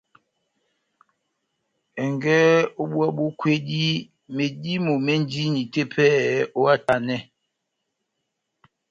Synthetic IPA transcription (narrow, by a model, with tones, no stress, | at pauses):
ɛ˨ŋɡɛ˦o˦ɓwa˦ɓo˦kwe˦di˦ | me˨di˦mo˨me˦n˦di˦ni˨te˦pʰɛ˦o˦a˦ta˨nɛ˦